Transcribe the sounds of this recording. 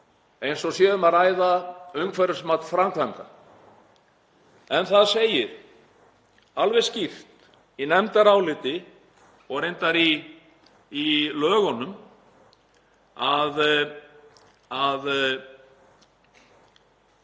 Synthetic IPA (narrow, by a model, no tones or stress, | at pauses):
ejnsɔsjɛðʏmaɾaːjðaœɥŋkʰvɛɾʏ̥smat̪fɾamkʰvaŋk̪a | ɛnθaðseːjɪɾ̥ | alvɛscɪft̪ | inɛmt̪aɾawlɪːt̪ɪ | ɔɣɾejnt̪aɾiː | lœːɣɔnːʏm | að | að